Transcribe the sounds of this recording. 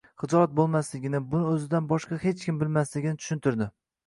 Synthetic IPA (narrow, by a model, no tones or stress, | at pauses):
χɨd͡ʒɒɾat̪̚bolˠmaslɪɡʲɪnɪbʊnɪɵzɪd̪anbɒʃqɑhet͡ʃkʲɪmbɪlmaslɪɡʲɪnɪt̪ʰʊ̥ʃɪnt̪ʰʊɾd̪ɪ